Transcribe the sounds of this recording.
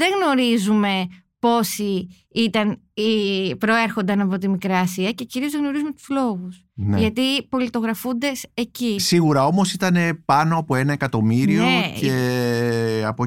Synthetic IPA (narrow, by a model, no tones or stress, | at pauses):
ðe̞ɣno̞ɾizume̞ | po̞si | it̪ɐn | ipɾo̞e̞ɾxo̞nd̪ɐnɐpo̞t̪imikɾɐːsiɐce̞ciɾiozðeɣno̞ɾizume̞t̪u̥slo̞ɣus | neʝɐt̪ipo̞lit̪o̞ɣɾɐfund̪e̞se̞cisiɣuɾɐo̞mo̞sit̪ɐne̞pɐno̞ɐpo̞e̞nɐe̞kɐt̪o̞miɾioee | ɐpo